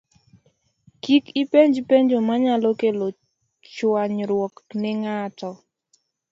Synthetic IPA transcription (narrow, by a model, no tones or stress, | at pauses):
kikipeɲd͡ʒpeɲd͡ʒomaɲalokelo | t͡ʃwaɲɾwɔknɪŋatɔ